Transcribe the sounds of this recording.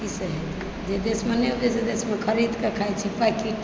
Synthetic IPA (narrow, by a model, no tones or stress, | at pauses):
iseɦet̪ʰ | d͡ʒed̪esmeneud͡ʒesed̪esmekʰəɾid̪kekʰajt͡ʃʰipakiʈ